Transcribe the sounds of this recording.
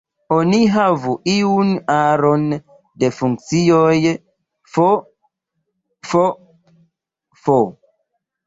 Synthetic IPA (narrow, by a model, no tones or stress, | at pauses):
oniɦavuʔiunaɾon | defuŋk̚t͡sioj | fo | fo | fo